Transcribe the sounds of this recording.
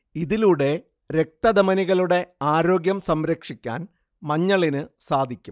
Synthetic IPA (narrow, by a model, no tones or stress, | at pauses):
iðiluɽe̞ | ɾe̞k̚t̪ɐd̪ɐmɐniɣɐɭuɽe̞aːɾo̞ːɡjɐmsɐmɾɐkʂikʲːa̰ːn | mɐɲːɐɭinɨsaːd̪ʱikʲːum